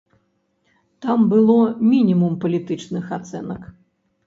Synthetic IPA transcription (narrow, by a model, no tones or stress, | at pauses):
t̪ambɨlˠɔmʲinʲimumpɐlʲit̪ɨt͡ʂnɨxat̪sɛnɐk